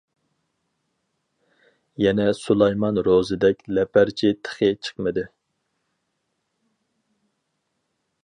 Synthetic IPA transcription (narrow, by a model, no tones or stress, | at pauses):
jɛnɛsulˠɑjmɑnɾozɨd̪ɛkʲlɛpʰæɾt͡ʃʰit̪ʰə̥χɨt͡ʃʰə̥qmɨd̪ɨ